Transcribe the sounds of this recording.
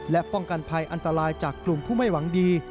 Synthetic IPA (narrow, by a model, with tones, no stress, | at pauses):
lɛ˦˥ʔpɔ˥˩ŋka˧npʰa˧jʔa˧nt̪a˧ɾaː˧jt͡ɕaː˨˩kːlu˨˩mpʰuː˥˩ma˥˩jwa˩˦ŋdiː˧